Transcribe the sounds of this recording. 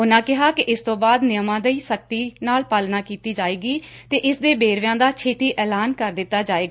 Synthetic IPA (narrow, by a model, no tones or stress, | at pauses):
ʊnãːkɪɦaːkɪʔɪst̪õːbaːd̪nɪjəmãːd̪əiːsəkt̪iːnaːlpaːlnaːkiːt̪iːd͡ʒaːeːɡiːt̪eːʔɪsd̪eːbeːɾʋjãːd̪aːt͡ʃʰeːt̪iːʔɛːlaːnkəɾd̪ɪt̪ːaːd͡ʒaːeːɡaː